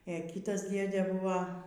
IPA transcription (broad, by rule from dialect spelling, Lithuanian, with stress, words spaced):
eː ˈkʲiːtɐs ˈdʲeːdʲeː ˈbuːʋɐ